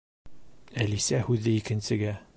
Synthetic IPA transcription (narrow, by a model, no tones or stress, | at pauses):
ælisæhʉðɘikɘ̆nsɘ̆ɡæ